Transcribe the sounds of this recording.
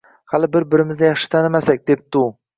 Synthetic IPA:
halɪbɪɾbɪɾɪmɪznɪjɑχʃɪ̥t̪ʰanɪmasak̚ʲd̪ep̚t̪u

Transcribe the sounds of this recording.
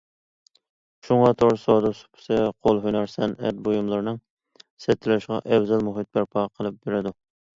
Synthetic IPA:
ʃuŋɑt̪ʰoɾsɑd̪ɨsu̥pʰɪ̥sɛqʰolˠɦynɑɾsɛnɛt̪̚bojumlˠɨɾnɨŋ | sɛt̪ʰːɪlʃʁɑ̰ʔɛwzɛlmuɦit̪̚bæɾpʰɑqʰəlˠɨp̚beɾɪd̪u

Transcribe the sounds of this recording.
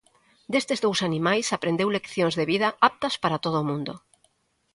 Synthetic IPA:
d̪est̪ezðowsanimajsapɾend̪ewlekθjõŋzðeβiðɐap̚t̪ɐspaɾat̪oð̞ʊːmũnd̪o

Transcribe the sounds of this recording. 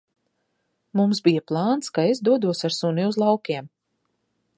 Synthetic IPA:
mumsbijaplˠaːnskaezd̪uɔd̪uɔsaɾsuniuzlˠawkʲiɛm

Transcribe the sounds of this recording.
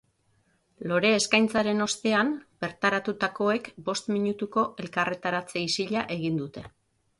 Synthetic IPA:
lo̞ɾe̞ːskajnt͡saɾe̞no̞st̪e̞amb̥e̞ɾt̪aɾat̪ut̪ako̞e̞kbo̞st̪miɲut̪uko̞ʔe̞lkaret̪aɾat͡se̞isiʎaʔe̞ɣ̞ind̪ut̪e̞

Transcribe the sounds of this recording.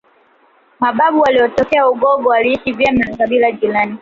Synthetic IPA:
maɓaɓuwaliɔtɔkɛauɡɔɡɔaliiʃivjɛmakaɓilad͡ʒilani

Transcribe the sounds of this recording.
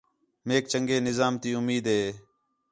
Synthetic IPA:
meːk̚t͡ʃəŋɡeːnɪzaːmt̪iːʊmiːd̪ɦeː

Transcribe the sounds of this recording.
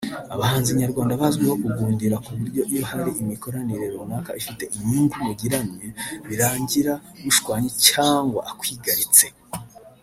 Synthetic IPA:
a̰βahaːnziɲaɾɡwaːndaβazɡweho̞kuɡuːndiɾakuβuɾɟo̞ʔijo̞haɾiʔimiko̞ɾaniɾeɾonaːkaifite̞ʔiɲiːndumuɡiɾaniβiɾaːɲɟiɾaβuʃkwaːɲecaːŋɡwa̰ʔakwiːɡaɾit͡se̞

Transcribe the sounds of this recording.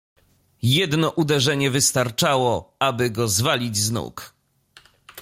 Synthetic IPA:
jɛd̪nɔʔud̪ɛʐɛɲɛvɘst̪aɾt͡ʂawɔabɘɡɔzvalʲid͡ʑznṵk

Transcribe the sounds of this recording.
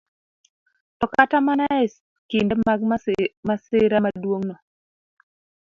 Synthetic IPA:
tɔkatamanaɛs | kindmaɡmasɪɾamadwoŋnɔ

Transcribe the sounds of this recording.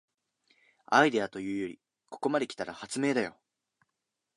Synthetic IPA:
aid̪e̞at̪o̞jɯ̟ːjo̞ɾʲi | ko̞̥ko̞mad̪e̞kʲi̥t̪aɾahat͡sɨme̞ːd̪ajo̞

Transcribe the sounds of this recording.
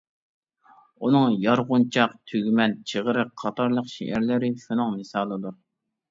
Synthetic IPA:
unɨŋjɑɾʁʊnt͡ʃʰɑqt̪ʰyɡʲmɛnt͡ʃʰeʁəɾɨqʰɑt̪ʰɑɾlˠəqʃḛʔæɾlɪɾɪʃunɨŋmɨsɑːlˠɨd̪uɾ

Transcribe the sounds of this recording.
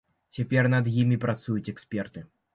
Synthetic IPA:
t͡sʲapʲɛrnɐd̪jimʲipɾat̪sujut͡sʲɛksʲpʲɛrt̪ɨ

